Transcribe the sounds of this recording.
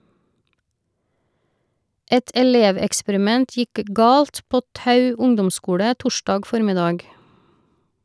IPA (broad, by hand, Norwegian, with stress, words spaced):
ˈɛt ɛˈleːʋɛkspəɾɪˌmɛnt ˈjɪk ə ˈɡɑːlt ˈpoː ˈtɑʉ ˈʊŋdɔmˌskuːɽə ˈtʊˌʃdɑːɡ ˈfɔɾmɪˌdɑːɡ